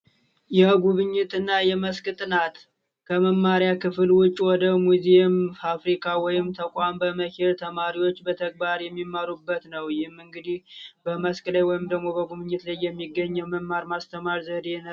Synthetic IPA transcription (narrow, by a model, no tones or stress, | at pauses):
jɛɡuβɨɲːɪt̪ɨnːajɛməskʼɨt̪ʼɨnat̪ | kʰəməmːaɾjakɨfɨlwʊt͡ʃʼːwɔd̪əmuzemafɾikʰawɔjɪmt̪ʰəkʼambəməkeɾt̪ʰəmaɾiwo̞t͡ʃːbət̪ʰəɡ̚baɾjɛmːimːaɾubːət̪nəwjɪhmɨŋɡɨd̪ihbəməskʼləjwɔjɪmd̪əɡmo̞bəɡuβɨɲːɨt̪lajːɛmːiɡːəɲːəwməmːaɾmast̪ʰəmaɾzəd̪e̞n